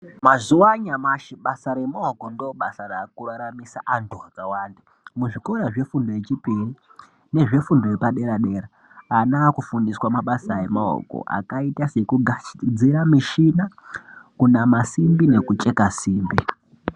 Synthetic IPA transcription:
mazuwaɲamaʃiɓasaɾemaokondoɓasaɾakuɺaɾamisaʔantʰuakawaːnda | muʐiko̞ɾaʐe̞fundojet͡ʃipiri | ne̞ʐe̞fundojepaɗe̞ɾaɗe̞ːɾa | anaːkufundiswamaɓasaemao̰ko̰ʔa̰kaitase̞kuɡad͡ziɾamiʃinakunamasimbine̞kut͡ʃʼe̞kasiːmbi

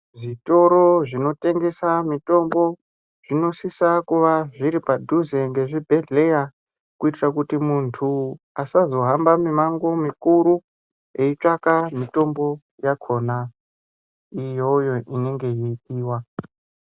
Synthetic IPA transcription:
ʐito̞ɾo̞ʐino̞te̞ŋɡe̞samito̞mbo̞ | ʐ̥ino̞sisakuʋaʐiɾipadʱuzeŋɡe̞ʐibʱe̞ɮe̞ja | kuitirakutimuntʰu | asazo̞ɦambamimaŋɡo̞mikuɾu | e̞it͡ʂakamito̞mbo̞ | jakʰo̞na | ijojo̞ʔine̞ŋɡe̞jiitiːwa

